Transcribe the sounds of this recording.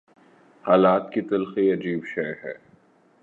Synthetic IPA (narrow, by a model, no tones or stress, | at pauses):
haːlaːt̪kit̪ɐlxiɐd͡ʒiːbʃeːɦɛ̰ː